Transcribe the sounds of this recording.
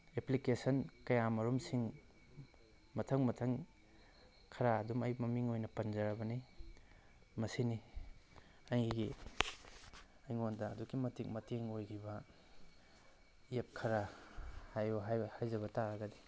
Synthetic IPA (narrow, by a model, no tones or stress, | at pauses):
eplikesɐnkɐjamɐɾumsiŋ | mɐtʰɐŋmɐtʰɐŋ | kʰɐɾaːdumɐjmɐmiŋojnɐpɐnzɐɾɐbɐni | mɐsini | ɐjɡi | ɐjŋondɐːduɡimɐtik̚mɐteŋojɾibɐ | iep̚kʰɐɾahajɦajhajzɐβɐtaɾɐɡɐdi